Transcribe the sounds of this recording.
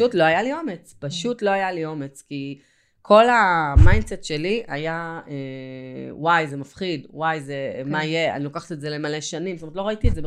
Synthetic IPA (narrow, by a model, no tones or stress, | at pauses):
utlo̞ajalio̞me̞t͡spaʃutlo̞ajalio̞me̞t͡ski | kʰo̞lamajndsetʃe̞liajae | wajzemafχidwajzemaije̞a̰nilo̞kaχḁtetzelemale̞ʃanimtomtlo̞aitiezeb